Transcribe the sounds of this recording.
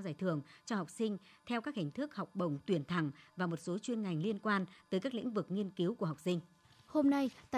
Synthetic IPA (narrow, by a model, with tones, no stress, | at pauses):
zaː˧˩jt̪ʰɨ˧˩əŋt͡ɕɔ˧ha˨˩wk͡p̚sï˧ŋ̟t̪ʰɛ˧wkaː˦˥k̚hï˨˩ŋ̟t̪ʰɨ˦˥k̚ha˨˩wk͡p̚ɓə˨˩wŋ͡mt̪wi˨˩ənt̪ʰa˧˩ŋvaː˨˩mo˨˩t̚so˨˦t͡ɕwi˧ənŋa˨˩jŋ̟li˧ənkwaː˧nt̪əː˨˦kaː˦˥k̚l̰ḭ˧˥ŋ̟vɨ˨˩k̚ŋi˧ənki˨˦wku˧˩əɦa˨˩wk͡p̚sï˧ŋ̟ | ho˧mna˧jt̪a˧